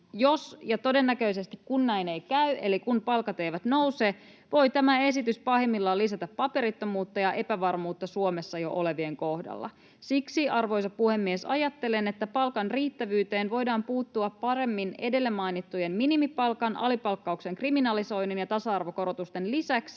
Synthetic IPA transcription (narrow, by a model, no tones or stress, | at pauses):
jo̞sjɑt̪o̞de̞nːækø̞ise̞st̪ikkunːæjnejkæyʔe̞̰likunpɑlkɑt̪ejʋæt̪no̞useː | ʋo̞jt̪æmæe̞sit̪yspɑhemːilːɑlːisæt̪æpːɑpe̞ɾit̪ːomuːt̪ːɑjɑʔe̞pæʋɑrmuːt̪ːɑsuomesːɑjo̰ʔole̞ʋie̞ŋko̞hdɑ̰lːɑ̰ | siksiɑrʋo̞jsɑppuhe̞mːiesɑjɑt̪ːe̞lenet̪ːæpɑlkɑnriːt̪ːæʋyːt̪e̞ːnʋo̞jdɑːmpuːt̪ːuɑppːɑɾe̞mːine̞de̞lːemɑjnit̪ːujemminimipɑlkɑnʔɑ̰lipɑlkːɑukse̞ŋkriminɑliso̞jninjɑt̪ɑsɑɑrʋoko̞ɾot̪ust̪e̞nlisæks